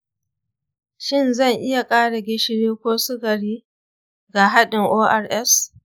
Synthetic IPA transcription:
ʃɪ˦nzɐ˦˨ŋʔɪ˦ja˨kʼaː˦ɽa˨ɡʲɪ˦ʃɪ˦ɽiː˦kʷoː˦sʊ˦ɡɐ˨ɽiː˦ | ɡa˨ɦa˦ɗɪ˨ŋʔoː˦ʔa˦rʔɛ˦s

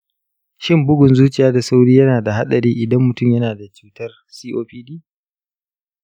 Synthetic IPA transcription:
ʃɪ˦mbʊ˦ɡʷʊ˨nzuː˦t͡ʃʼɪ˨jaː˦da˨sa˦wɽiː˦jɐ˦naː˨da˨ɦa˦ɗɐ˨ɾiː˦ʔɪ˨dɐ˦mːʊ˨tʊ˦mjɐ˦naː˨da˨t͡ʃuː˦tɐ˦r | siː˦ʔoː˦ɸiː˦diː˦

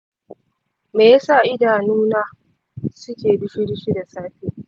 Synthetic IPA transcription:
meː˨ja˦saː˦˨ʔɪ˦daː˨nuː˦naː˦ | sʊ˦kʲeː˨bɪ˦ɸɪ˦ɽʃi˦da˨saː˦ɸiː˦

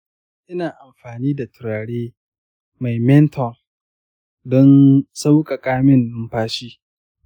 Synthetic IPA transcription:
ʔɪ˦naː˨ʔa˨mɸaː˨niː˦da˨tʊ˨ɾaː˨ɽeː˦ | ma˨jmɛ˦ntʰɔ˨ŋ | dɔ˦nsa˦wkʼa˨kʼaː˦mɪ˦nːʊ˦mpaː˦ʃiː˦

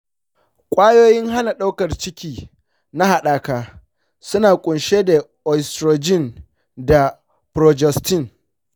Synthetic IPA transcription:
kʷʼaː˦joː˦jɪ˦ŋɦa˦na˨ɗa˦wkɐ˨rt͡ʃɪ˦kʲiː˦ | na˦ha˨ɗaː˨kaː˦ | sʊ˦naː˨kʷʼʊ˨nʃeː˦da˨ | ɔ˨stɾoː˨d͡ʒɪ˦˨n | da˨ | pɾoː˨d͡ʒɛ˦˨stɪ˦˨n

